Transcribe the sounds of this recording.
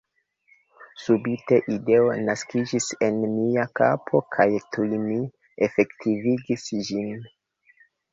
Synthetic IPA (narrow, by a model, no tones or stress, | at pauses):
subite̞ʔide̞o̞naskid͡ʒise̞nːiaka̰pʰo̞kʰajtujmi | e̞fe̞ktʰiviɡisd͡ʒin